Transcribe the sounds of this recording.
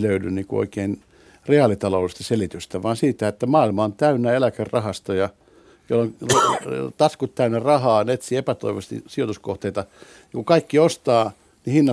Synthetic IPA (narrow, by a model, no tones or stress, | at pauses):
løydynniːkuo̰ikein | reɑlit̪ɑloulist̪ɑselit̪yst̪æʋɑːnsiːt̪æet̪ːæmɑːilmɑont̪æynːæelækerrɑhɑst̪ɑjɑ | jolːonrt̪ɑskut̪t̪æynːærɑhɑːnet̪siepæt̪o̰iʋɑst̪ḭsiot̪uskoht̪eit̪ɑ | ɑkukɑikːiost̪ɑː | nihinːɑ